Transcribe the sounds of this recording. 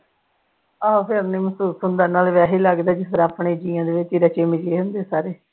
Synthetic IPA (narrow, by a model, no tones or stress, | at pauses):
aːɦpʰɪəɾneːməsuːsɦʊnd̪aːnaːlʋɛːɦeːləɡd̪aːd͡ʒɪsəɾaːpɳeːd͡ʒiːjãːd̪eːʋɪt͡ʃɪɾət͡ʃeːmɪd͡ʒeːɦʊ̃nd̪eːsaːɾeː